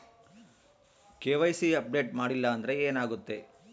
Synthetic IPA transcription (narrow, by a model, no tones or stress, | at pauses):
keːʋɐjsiɐp̚ɖe̞ːʈ̚maːɽilːɐːnd̪ɐɾe̞eːnaːɡut̪ːe̞